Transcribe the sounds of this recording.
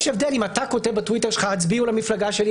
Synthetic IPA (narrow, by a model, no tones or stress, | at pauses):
ʃevd̪elimatako̞tevbatwite̞ʁʃelχahat͡sbiulamiflaɡaʃeli